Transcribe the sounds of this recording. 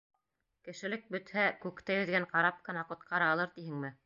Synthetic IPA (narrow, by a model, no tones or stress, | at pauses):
kɘ̆ʃɘ̆lɘk̚bɵ̆t̪hækʉkt̪æjɵ̆ðɡæɴqɑɾɑp̚kɤ̆nɑqŏt̪qʰɑɾɑɑlˠɤɾt̪iɦɘŋmɘ